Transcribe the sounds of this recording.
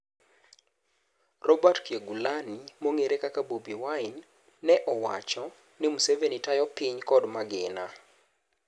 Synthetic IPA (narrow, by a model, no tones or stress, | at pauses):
rɔbatkjeɡulanimoŋeɾekakabobiwaɪnː | ɛʔɔwa̰t͡ʃɔ | nɪmusevenitajɔpiɲkɔdmaɡɪna